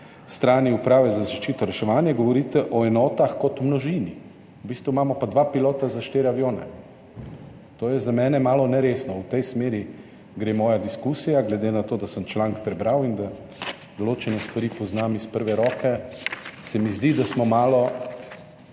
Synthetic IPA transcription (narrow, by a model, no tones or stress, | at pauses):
st̪ɾaːniupɾaːʋɛzazaʃt͡ʃiːt̪ɔɾɛʃɛʋaːnjaɡɔʋɔɾiːt̪ɛʔɔɛnɔːt̪axkɔt̪mnɔʒini | wbiːst̪ʋumamɔpad̪ʋaːpiloːt̪azaʃt̪eːɾjaʋjoːnɛ̰ | t̪oːjɛzamɛːnɛmaːlɔnɛɾeːsnɔuwt̪ɛjsmeːɾi | ɡɾeːmɔːjad̪iskusijaɡlɛd̪enat̪oːd̪asəmt͡ʃlaŋkpɾɛbɾawind̪a | d̪ɔloːt͡ʃɛnɛst̪ʋaɾiːpɔznamispəɾʋɛɾɔːkɛ | sɛmizd̪id̪asmɔmaːlɔ